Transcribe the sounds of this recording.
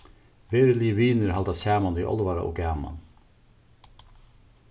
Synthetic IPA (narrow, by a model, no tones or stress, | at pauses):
ʋeːɾəliːəʋiːnəɾhɑld̪ɑsæːmɑnʋiːʔɔ̰lʋɑɾɑ̰ʔo̰ːɡæːmɑ̰n